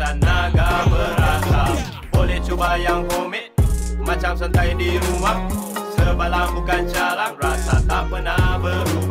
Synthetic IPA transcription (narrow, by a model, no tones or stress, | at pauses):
anːaɡabəɾasa | bolɛht͡ʃubajaŋkomɛʔmat͡ʃamsənt̪aidiɾuwaŋsəbalaŋbukand͡ʒalanrasat̪apənabə